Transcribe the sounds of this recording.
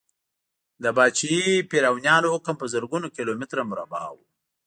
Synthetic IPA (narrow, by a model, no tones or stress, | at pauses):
d̪əbɑːt͡ʃijipiɾawnjɑːnoːkampəzəɾɡunokilomɪt̪ɾamʊɾa̰bɑ̰ːw